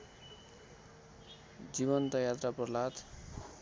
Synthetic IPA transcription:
d͡ziβʌnt̪ʌjat̪rapʌrlat̪

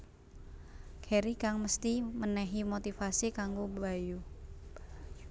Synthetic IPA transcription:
kʰɛɾikaŋməst̪imənɛɦimot̪ifasikaŋɡubaju

